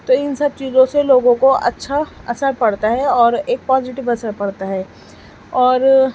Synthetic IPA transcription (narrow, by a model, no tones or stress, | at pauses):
t̪oɪnsɐb̚t͡ʃiːzõseloːɡõkoɐ̰tːʃʰaɐsəɾpɐɽt̪aɦɛɔːɾeːk̚paːzɪʈɪʋɐsəɾpɐɽt̪aɦɛː | ɔːɾ